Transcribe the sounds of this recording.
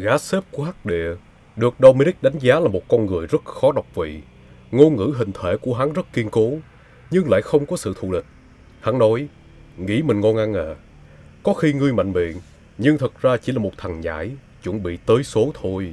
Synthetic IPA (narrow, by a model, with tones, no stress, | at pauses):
ɣaː˨˦se˦˥p̚ku˧˩ɦaː˦˥k̚ɗḭ˧˨ə | ɗɨ˨˩ək̚ɗə˧wmi˧ni˦˥k̚ɗa˨˦jŋ̟zaː˨˦laː˨˩mo˨˩t̚kɔ˧nŋɨ˨˩əjzə˦˥t̚xɔ˨˦ɗa˨˩wk͡p̚vḭ˧˨ | ŋo˧ŋɨ̰˧˥ɦï˨˩ŋ̟t̪ʰe˧˩ku˧˩əɦa˨˦zə˦˥t̚ki˧ənko˨˦ | ɲɨ˧ŋla̰ː˧˨jxə˧wŋ͡mkɔ˨˦sɨ̰˧˨t̪ʰṵ˧˨lï˨˩k̚ | ha˨˦ŋnɔ˨˦j | ŋḭ˧˥mï˨˩ŋ̟ŋɔ˧nʔa˧nʔəː˧˨ | kɔ˨˦xi˧ŋɨ˧əjma̰˧˨jŋ̟ɓḭ˧˨ən | ɲɨ˧ŋt̪ʰə˨˩t̚zaː˧t͡ɕi˧˩laː˨˩mo˨˩t̚t̪ʰa˨˩ŋɲa̰ː˧˩˦j | t͡ɕṵ˧˩nɓḭ˧˨t̪əː˨˦jso˨˦t̪ʰo˧j